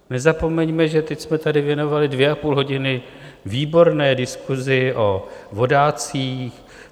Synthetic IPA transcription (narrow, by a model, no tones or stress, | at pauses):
nɛzapo̞mɛɲmɛʒɛt̪ɛcsmɛt̪adɪvjɛno̞valɪdvjɛapuːlɦo̞ɟɪnɪ | viːbo̞ɾnɛːdɪskuzɪʔovo̞daːt͡siːx